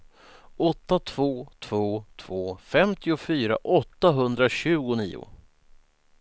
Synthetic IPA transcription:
ɔt̪ːat̪ʰv̥oːt̪ʰv̥oːt̪ʰv̥oːfɛmt̪ʰɪʊfyːɾa̰ʔɔt̪ːaɦɵnd̪ɾaɕʉ̟ːɡʊnḭːʊ̰

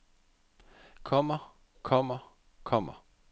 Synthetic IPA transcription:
kʰɔmɐ | kʰɔmɐ | kʰɔm̰ɐ

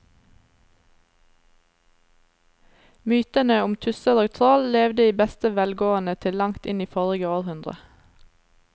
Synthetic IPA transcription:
myːt̪ənəʊmt̪ʰʉsəɾoːɡt̪ʰʁolleːʋd̪əiːbɛst̪əʋɛlɡoːənət̪ʰɪllɑŋt̪ɪniːfɔɾɪɡəoːʁhʉnd̪ʁə̰

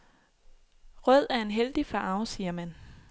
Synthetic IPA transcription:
ʁœð̞̰ˠæɐe̝nɦeld̥ifɑ̈ɑ̈ʊsiːɐmæn

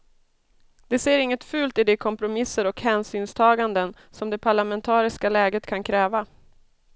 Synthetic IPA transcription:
d̪̥ɛseːɾɪŋːət̪fʉ̟ːlt̪ɪd̪ɛkʰɔmpɾʊmɪsəɾɔkhɛːnsyːnst̪ʰɑːɡand̪ən | sɔmd̪ɛpʰaɭamɛnt̪ʰɑːɾɪskalɛːɡət̪kʰankʰɾɛːva

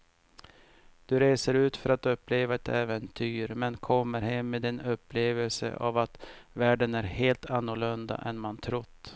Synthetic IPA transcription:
d̪̥ɵɾeːsəɾʉ̟ːt̪fœɾat̪ɵpːleːvaɛt̪ʰɛːvɛnt̪ʰyːɾmɛnkʰɔmːəɾhɛmːeːd̪ɪnɵpːleːvəlsə̰ʔa̰vat̪væːɖənæɾheːlt̪ʰanːʊɭɵnd̪a̰ʔɛnmant̪ʰɾʊd̪̥

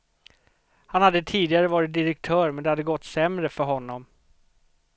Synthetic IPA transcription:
hanhad̪ːət̪ʰiːd̪ɪɡaɾəvɑːɾɪt̪̚d̪ɪɾɛk̚t̪ʰœːɾmɛnd̪ɛhad̪ːəɡɔt̪ːsɛmɾəfœɾɦɔnːɔm

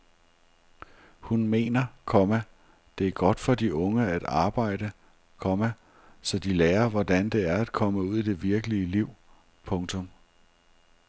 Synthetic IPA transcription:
hunme̝̰ːnɐkʰɒ̽mæ | d̥e̝æɐɡ̥ɒ̽d̥fɒ̽d̥iʔɔ̽ŋəæd̥ɑ̈ːb̥ɑ̈ɪ̰d̥ə | kʰɒ̽mæ | sɒ̽d̥ileːɐʋɒd̥ænd̥e̝æɐæd̥̚kʰɒ̽məuð̰ˠid̥e̝ʋiɐɡ̥əliəliʊ̰ | pʰɔ̽ŋt͡sʰɔ̽m

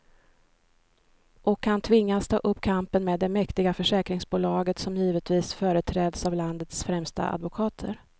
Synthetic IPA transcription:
ʔɔkʰːant̪ʰvɪŋːast̪ʰɑ̰ːʔɵpːkʰampənmeːd̪ːɛmɛkt̪ɪɡafœʂɛːkɾɪŋsbuːlɑːɡət̪sɔmjiːvət̪viːsfœːɾət̪ʰɾɛːd̪savland̪ət̪sfɾɛmst̪a̰ʔa̰d̪vʊkʰɑːt̪ʰə̰ɾ

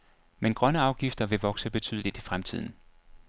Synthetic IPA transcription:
menɡ̥ʁɶnəɑ̈ʊɡ̥ifd̥ɐʋe̝ʋɒ̽ɡ̥səb̥e̝t͡sʰy̰ðˠəlid̥ifʁamt͡sʰið̞̰ˠn̩

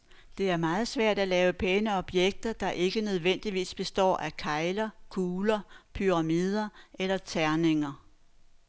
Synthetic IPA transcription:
d̥e̝æɐmɑ̈ːð̞̩ˠsʋæɐ̰d̥ælɛːʊəpʰenəɒ̽b̥jeɡ̥̚d̥ɐd̥ɑ̈ʔe̝ɡ̥ənøð̞̩ˠʋen̰d̥iʋḭːsb̥e̝sd̥ɒ̰ːʔækʰɑ̈ɪlɐkʰuːlɐpʰyʁɑ̈miːð̞ˠɐʔelɐt͡sʰæɐne̝ŋɐ

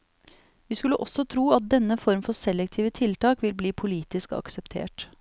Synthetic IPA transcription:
ʋiːskʉlːəʔɔsɔt̪ʰɾuːɑt̪̚d̪ɛnːəfɔɾmfɔsɛlːɛk̚t̪ʰiːʋət̪ʰɪlt̪ɑːkʋɪlbliːpʰʊliːt̪ɪskɑ̰ksɛpt̪ʰḛːʈ

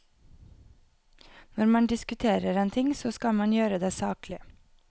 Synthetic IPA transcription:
nɔɾmɑnd̪ɪskʉt̪ʰeːɾəɾeːnt̪ʰɪŋsoːskɑlmɑnjøːɾəd̪eːsɑːklɪ

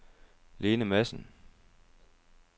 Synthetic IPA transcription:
le̝ːnəmæsn̩

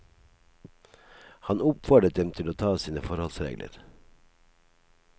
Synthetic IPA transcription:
hɑnʊpfɔɖət̪̚d̪ɛmt̪ʰɪloːt̪ʰɑːsiːnəfɔɾhɔlsɾḛːɡlʔə̰ɾ

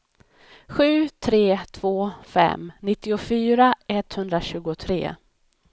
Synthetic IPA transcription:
ɧʉ̟ːt̪ʰɾeːt̪ʰv̥oːfɛ̰mnɪt̪ːɪʊfyːɾaʔɛt̪hɵnd̪ɾaɕʉ̟ːɡʊt̪ʰɾḛː

